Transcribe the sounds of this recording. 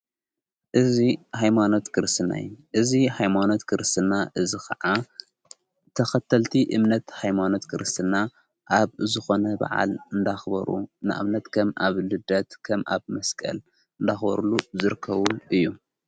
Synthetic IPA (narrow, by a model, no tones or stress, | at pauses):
ʔɨzihajmano̞t̪kʰɨɾɨst̪ʰɨna̰jʔɨzihajmano̞t̪kʰɨɾɨst̪ʰɨnaʔɨzikʰɐʕa | t̪ʰɐxɐt̪ʰːɐlt̪ʰiʔɨmnɐt̪hajmano̞t̪kʰɨɾɨst̪ʰɨna | ʔaβzɨxo̞nɐbɐ̰ʕa̰lɨnd̪axbɐ̰ɾṵnɨ̰ʔa̰βnɐt̪kʰɐmʔa̰βlɨd̪ɐt̪kʰɐmʔa̰βmɐskʼɐ̰l | ɨnd̪axbɐ̰ɾuluzɨɾɨkʰːɐβuʔɨjːu